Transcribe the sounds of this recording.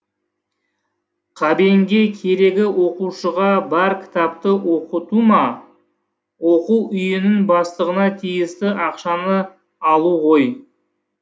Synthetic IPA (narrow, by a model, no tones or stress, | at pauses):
qʰɑbeŋɡʲe̞kʲʰe̞ɾe̞ɡʲɪwo̞quʃəʁɑbæɾkʲʰɪ̥t̪ɑp̚t̪əwʔoqət̪umɑ | woquwʔʏjɪnɪŋbɑst̪əʁənɑt̪ʰijɪst̪ɪʔɑqʃɑnə | ɑlˠuʁo̞j